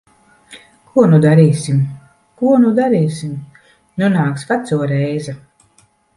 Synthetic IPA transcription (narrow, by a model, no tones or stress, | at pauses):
kʰuɔnud̪aɾiːsim | kuɔnud̪aɾiːsim | nunaːksvat̪suɔɾɛjzɛ